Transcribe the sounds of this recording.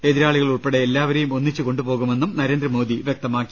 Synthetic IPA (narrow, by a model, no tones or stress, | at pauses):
e̞ðiɾaːɭiɣɐɭuɭpe̞ɽeelːaːʋɐɾejumo̞nːit͡ɕːɨko̞ɳɖupo̞ːɣume̞nːumnɐɾe̞ːnd̪ɾɐmo̞ːd̪iʋjek̚t̪ɐmaːkːi̥